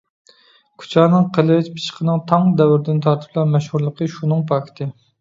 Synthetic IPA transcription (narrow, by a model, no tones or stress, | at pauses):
kʲʰy̥t͡ʃʰɑːnɨŋqʰəlˠɨɪt͡ʃpʰi̥ʃə̥qʰənɨŋt̪ʰɑŋd̪ɛwɪɾɪd̪ɪnt̪ʰɑɾt̪ʰɨ̥p̚ʰlˠɑnmɛʃhuɾlˠəqʰəʃunɨŋpʰɑkʰʲt̪ʰɨ